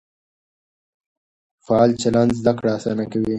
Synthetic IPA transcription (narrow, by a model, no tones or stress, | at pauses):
faɑlt͡ʃalanzd̪akɽaːsɑnakawi